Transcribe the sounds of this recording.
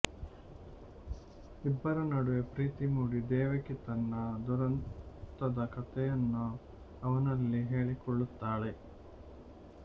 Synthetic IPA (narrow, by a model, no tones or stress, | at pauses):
ibːɐɾɐnɐɽuʋepɾiːt̪imuːɽid̪ɛːʋɐkit̪ɐnːɐd̪uɾɐnt̪ɐd̪ɐkɐt̪ɛjɐnːu | ɐʋɐnɐlːiɦeːɭikɔɭːut̪ːaːɭe